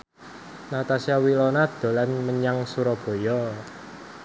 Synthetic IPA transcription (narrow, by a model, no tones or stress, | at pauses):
nat̪asiawilɔnad̪̥o̤lanməɲaŋsuɾɔb̥o̤jɔ